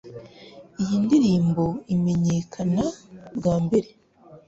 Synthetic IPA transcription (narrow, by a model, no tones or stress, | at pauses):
ijindiɾiːmbo̞ime̞ɲe̞ːkʰanabɡaːmbe̞ɾe̞